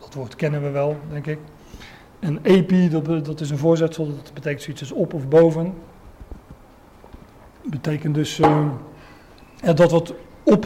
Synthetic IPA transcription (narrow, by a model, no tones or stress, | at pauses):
d̥ɔtʋoːɹtkɛnənʋəʋɛlˠdɛŋkɪk | ɛneːpiddɔtɪsənvoːɹzɛtsəlˠɔtbətejkəntsoitsdøsɔpɔfbowvən | bətejkəndɵs | jadɔtʋɔtɔp